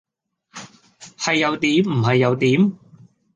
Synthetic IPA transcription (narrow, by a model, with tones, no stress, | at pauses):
hɐ˨jːɐ˨˧wt̪iː˨˥m̩˨˩ɦɐ˨jːɐ˨˧wt̪iː˨˥m